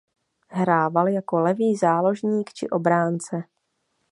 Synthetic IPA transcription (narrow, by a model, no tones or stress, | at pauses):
ɦɾaːvaljako̞lɛviːzaːlo̞ʒɲiːkt͡ʃɪ̰ʔo̞bɾaːnt͡sɛ